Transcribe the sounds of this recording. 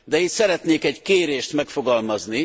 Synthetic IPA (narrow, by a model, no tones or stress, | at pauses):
d̪ɛit̪sɛɾɛt̪neːkɛɟkeːɾeːʃt̪mɛkfo̞ɡɒlmɒzni